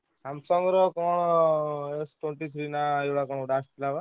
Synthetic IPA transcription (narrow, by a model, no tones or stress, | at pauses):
samsɔŋɡɾɔkɔɽ̃ɔesʈeɳʈit̪ʰɾinaewɽakɔɳ̃ɖast̪ʰilaʋa